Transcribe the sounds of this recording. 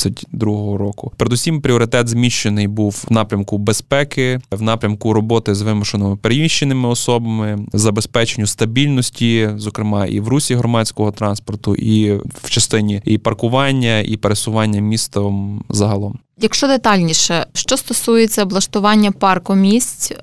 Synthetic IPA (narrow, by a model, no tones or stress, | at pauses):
ɐtʲd̪ɾuɦɔɦɔɾɔkʊpeɾed̪usʲimpɾʲiɔɾɪt̪ɛt̪zmʲiʃt͡ʃenɪjbuwnɑpɾʲɐmkʊbespɛkɪwnɑpɾʲɐmkʊɾɔbɔt̪ɪzʋɪmʊʃenɔmɪpeɾemʲiʃt͡ʃenɪmɪɔsɔbɐmɪzɐbespɛt͡ʃenʲːʊst̪ɐbʲilʲnɔsʲtʲizɔkɾɪmɑʔḭwɾusʲiɦɾɔmɑt͡sʲkɔɦɔt̪ɾɑnspɔrt̪ʊ̰ʔiw̥t͡ʃɐst̪ɪnʲiipɐrkʊʋɑnʲːɐḭpeɾesʊʋɑnʲːɐmʲist̪ɐmzɐɦɐlˠɔm | jɐkʃt͡ʃɔd̪et̪ɑlʲnʲiʃɛʃt͡ʃɔst̪ɔsujet͡sʲːɐblˠɐʃt̪ʊʋɑnʲːɐpɑrkɔmʲisʲtʲ